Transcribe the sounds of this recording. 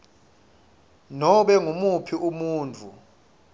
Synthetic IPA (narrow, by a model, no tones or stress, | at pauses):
nɔɓɛŋumupʰiumuːnt͡fʰu